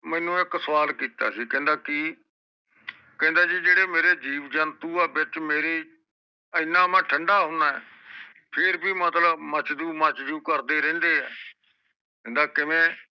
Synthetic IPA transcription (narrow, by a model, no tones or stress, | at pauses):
mɛ̃ːnũːɪksəʋaːlkiːt̪a̰ːsiːkɛ̃ːnd̪aːkiː | kɛ̃ːnd̪aːd͡ʒiːd͡ʒeːɽeːmeːɾeːd͡ʒiːʋd͡ʒənt̪uːɛːbɪt͡ʃmeːɾeː | ɪnːãːmãːʈʰəɳɖaːɦʊnaːɛ̰ː | pʰɪɾbiːmət̪ləbmət͡ʃd̪uːmət͡ʃd͡ʒuːkəɾd̪eːɾɛ̃ːnd̪eːɛ̰ː | kɛ̃ːnd̪aːkɪmẽː